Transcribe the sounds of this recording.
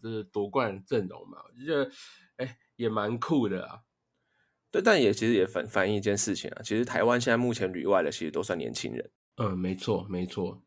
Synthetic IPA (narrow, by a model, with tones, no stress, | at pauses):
t͡ɕə˥˧˩t̪wɔ˧˥kwa˥˧nnʈ͡ʂə˥˩nnʊ̰˨˩˦ŋma̰˨˩wɔ˨˩t͡ɕɛ˧˥d̪ə˧ | e˥˩ɪ | jɛ˨˩ma˧˥nkʰu˥˩d̪ə̰˩a̰˨˩ | t̪we˥˩ɪt̪a˥˩njɛ˨˩t͡ɕʰi˧˥ʂ̩˨˦jɛ˨˩fə̰˨˩nfa˥ni˥˧t͡ɕjɛ˥˧nʂɻ̩˥˩t͡ɕʰḭ˨ŋa̰˨t͡ɕʰi˧˥ʂɻ̩˧˥t̪ʰa˧ɪwa˦nɕ̬ɛ˥˧na˥˧ɪmu˥˨˩t͡ɕʰjɛ˧˥nly̰˨˩wa˥˩ɪlə˨t͡ɕʰi˧˥ʂɻ̩˧t̪o˥ʊswa˥˩njɛ̰˧˦nt͡ɕʰḭ˥ŋɻə̰˧˦n̩˥˧ | me˧˥ɪt͡sʰwɔ˥˩me˧˥ɪt͡sʰwɔ˥˩